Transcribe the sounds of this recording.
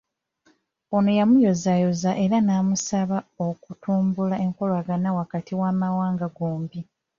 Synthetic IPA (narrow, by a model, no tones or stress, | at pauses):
ono̞jamujo̞zajo̞zaʔe̞ɾanamusaβaokutuːmbulae̞ŋko̞lwaɡanawakatiwaːmawaːŋɡaɡoːmbi